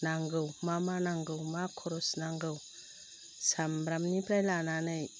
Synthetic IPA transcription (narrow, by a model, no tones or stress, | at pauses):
naŋɡɯwmamanaŋɡɯwmakʰɔɾɔsnaŋɡɯw | sambɾamnipɾajlananɯj